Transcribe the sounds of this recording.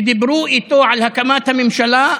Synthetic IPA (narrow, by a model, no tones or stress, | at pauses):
d̪ɪbɾuːʔit̪oːʕalhakamaːt̪hamɪmʃalaːʔ